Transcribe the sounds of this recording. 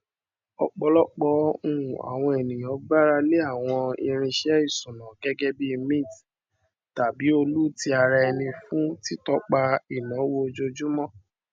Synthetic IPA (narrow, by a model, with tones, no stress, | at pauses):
ɔ˧k͡pɔ˧lɔ˦k͡pɔ˧˦ũ˦˨a̰˨w̃ɔ̃˧e˨nĩ˨j̃ɔ̃˨˦ɡ͡ba˦ɾa˧le˦a˦˨w̃ɔ̃˧ḭ˧ɾ̃ĩ˧ʃɛ˨˦i˦˨sũ˨nã˨ɡɛ˦ɡɛ˦bi˦˧mĩ˦˨t | ta˨bi˨˦o˧lu˦ti˦a˧ɾa˧ɛ˧nĩ˧fũ˦ti˦tɔ˦k͡pa˧i˨nɔ̃˨˦wo˦o˧d͡ʒo˧d͡ʒu˦mɔ̃˦˨